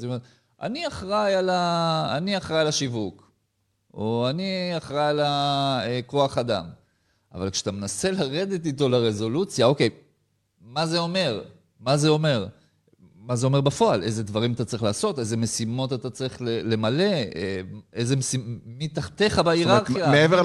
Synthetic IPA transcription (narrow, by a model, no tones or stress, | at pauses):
ome | ʔa̰niaχʁajala̰ːniaχʁajalaʃivuk | oaniaχʁajalaeko̞aχad̪a̰m | a̰valkʃe̥at̪amenase̞laʁe̞d̪et̪ito̞laʁe̞zo̞lut͡sjao̞ke̞j | maze̞o̞me̞ʁ | maze̞o̞me̞ʁ | maze̞o̞me̞ʁbafo̞ale̞ze̞d̪vaʁimat̪at͡saʁiχlaːso̞te̞ze̞me̞simo̞t̪atat͡saʁiχlele̞male̞eeze̞mesimit̪aχt̪e̞χabaiʁaʁχjaeeve